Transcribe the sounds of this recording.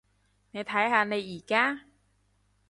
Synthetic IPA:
na˧jt̪ʰaː˧˦˥jɦa˧na˧jʔiː˨˩kːaː˧˥˨

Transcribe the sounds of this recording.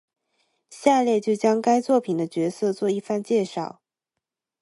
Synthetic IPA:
ɕja˥˧ljɛ˥˧t͡ɕjo˥˩ʊt͡ɕjɑ˥ŋka˥ɪt͡swɔ˥˩pʰi˨˩d̪ə˦t͡ɕɥɛ˧˥sɤ˥˧t͡swɔ˥˧i˥˧fa˥˧nt͡ɕjɛ˥˧ʂɑ˥˩ʊ

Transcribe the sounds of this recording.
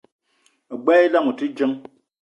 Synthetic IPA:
ɡ͡bɛ˦i˦la˦ŋu˨ti˦d͡ʒə˦ŋ

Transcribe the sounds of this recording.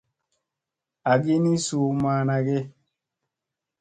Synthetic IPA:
a˨ɡi˦ni˦su˨˦maː˨˦na˨ɡe˦

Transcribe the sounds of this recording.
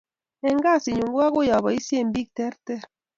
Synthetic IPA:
ɛ˨ŋɡa˦˨si˨ɲu˨ŋɡwa˦kʊ˦ja˨βɔ˨i˦sje˦˨mbi˦k̚tɛ˦ɾtɛ˦˨ɾ

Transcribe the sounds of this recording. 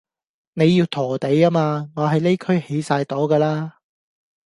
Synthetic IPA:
ne˨˧jːiː˧wt̪ʰɔː˨˩t̪e˨˥jaː˥maː˧ŋɔː˨˧ɦɐ˨jle˥jkʰɵ˥ɥhe˨˧˥jsaː˧jt̪o˨˥wkaː˧laː˥

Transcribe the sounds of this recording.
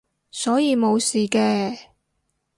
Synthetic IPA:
sɔː˨˥jiː˨˧mo˨˧wsiː˨kɛː˧

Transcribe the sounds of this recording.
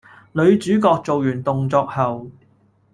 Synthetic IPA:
lɵ˨˧˥ɥt͡syː˨˥kɔː˧k̚t͡so˨wjyː˨˩nt̪ʊ˨ŋt͡sɔː˧k̚hɐ˨w

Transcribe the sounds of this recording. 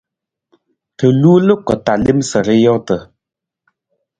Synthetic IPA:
tə˨lu˦lə˦kə˨ta˨li˦msə˨ɾə˦jɔ˦tə˨

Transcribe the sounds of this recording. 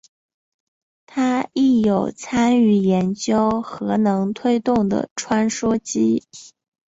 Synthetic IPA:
t̪ʰa˥i˥˩jo˨˩ʊt͡sʰa˥ny˧˥˩jɛ˧˥nt͡ɕjo˥ʊxɤ˧˥nɤ˧˥ŋt̪ʰwe˥ɪt̪ʊ˥˩ŋd̪ə̰˩ʈ͡ʂʰwa˥nʂwɔ˥t͡ɕi˥

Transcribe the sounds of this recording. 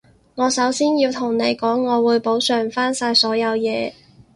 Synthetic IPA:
ŋɔː˨˧sɐ˨˥wsiː˥njiː˧wt̪ʰʊ˨˩ŋne˨˧jkɔː˨˥ŋːɔː˨˧wuː˨˧jpo˨˥wsœː˨˩ŋfaː˥nsaː˧jsɔː˨˥jɐ˨˧wjɛː˨˧

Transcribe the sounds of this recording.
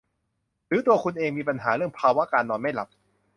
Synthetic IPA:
ɾɯː˨˦t̪u˧ɐkʰu˧nʔeː˧ŋmiː˧pa˧nɦaː˩˦ɾɯ˥˩əŋpʰaː˧wa˦˥kaː˧nːɔː˧nma˥˩jla̰˨˩p̚

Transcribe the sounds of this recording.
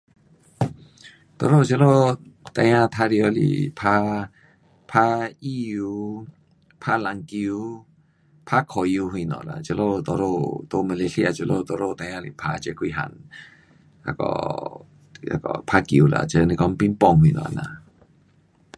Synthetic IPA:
t̪ɔ˧˨ɾo˦˨t͡ʃə˧lo˦t̪a˧j̃ã˦˧t̪ʰa˦ɾi˧ɔ˧˦lḭ˨pʰa˦ | pʰa˦i˦ju˧ | pʰa˦la˨ŋki˧u˧˦ | pʰa˦kʰɔ˨ju˧hi˧˨nɔ̰̃˨la̰˨t͡ʃə˧lo˦˧˨t̪ɔ˧ɾo˧t̪o˧˦mə˧le˧ɬi˦˧a˨t͡ʃə˧lo˦˧t̪ɔ˧ɾo˦˧˨t̪a˧jã˧lḭ˧˨pʰa˧t͡ʃe˧kʰwi˧ɦa̰˨n | a̰˧kɔ̰˧˨ | a̰˧kɔ̰˧pʰa˦ki˨u˨la̰˨t͡ʃə˧nĩ˧kɔ˧˦ŋpi˧˦npɔ˧˨ŋhwi˧nɔ̰̃˨a̰˧˨na̰˧˨

